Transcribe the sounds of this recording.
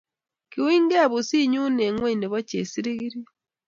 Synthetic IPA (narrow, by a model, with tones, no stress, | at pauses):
kiwiː˦ŋɡe˦βu˨si˦ɲu˦ne˨ŋwe˦ini˨βo˦ce˨si˦ɾiɣiɾi